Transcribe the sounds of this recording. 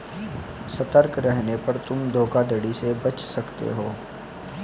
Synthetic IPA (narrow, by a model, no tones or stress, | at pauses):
sɐt̪əɾkɾɛɦnepɐɾt̪ʊmd̪ʱoːkad̪əɽisebɐt͡ʃsɐkt̪ḛɦoː